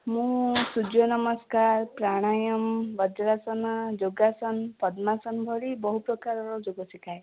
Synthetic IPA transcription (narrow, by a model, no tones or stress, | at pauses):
mũsud͡ʒjɔnɔmɔskaɾpɾaɽ̃ajɔmbɔd͡ʒɾasɔnad͡ʒoɡasɔnpɔd̪masɔnbʱɔɽibɔɦupɾɔkaɾɔɾɔd͡ʒoɡɔsikʰae